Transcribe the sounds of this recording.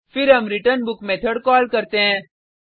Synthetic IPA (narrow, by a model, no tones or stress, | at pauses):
fʰɪɾɦɐmɾiʈəɾnbʊkmeːt̪ʰəɽkɔːlkɐɾt̪eɦɛ̃ː